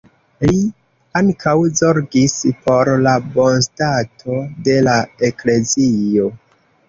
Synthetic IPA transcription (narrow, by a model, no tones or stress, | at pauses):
li | aŋkʰawzo̞ɾɡispo̞ɾlabo̞nstatʰo̞de̞lae̞kle̞zio̞